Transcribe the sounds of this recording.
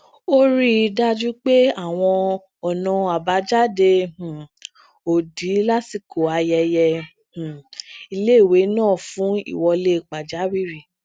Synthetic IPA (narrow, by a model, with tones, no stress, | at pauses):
o˦ɾi˦˧da˦d͡ʒu˦k͡pe˦a˦˨w̃ɔ̃˧ | ɔ˨nã˧a˨ba˨˦d͡ʒa˦dẽ˧˨ | o˨di˨˦la˦ti˧kʰo˨a˧jɛ˧jɛ˧ | h̩˨i˧le˦i˨we˨˦nãː˦˨fũ˨˦ḭ˦˨wɔ˧le˦˧˨k͡pa˨d͡ʒa˨˦ɾi˦ɾi˨